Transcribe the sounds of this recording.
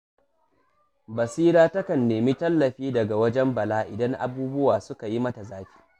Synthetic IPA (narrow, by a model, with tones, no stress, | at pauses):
bɐ˨siː˦ɽaː˦tɐ˦kɐ˨nːeː˨mi˦tɐ˦lːɐ˨ɸiː˦dɐ˨ɡa˨wɐ˦d͡ʒɛ˦mbɐ˨laː˦ʔɪ˨dɐ˦ŋʔa̰˨buː˦bʊ˦waː˨sʊ˦ka˨ji˦mɐ˦ta˨zaː˦ɸi̥ː˦